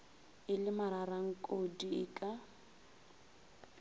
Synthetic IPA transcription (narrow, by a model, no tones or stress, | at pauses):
ɪlɪmaɾaraŋ̩kʼodiɪkʼa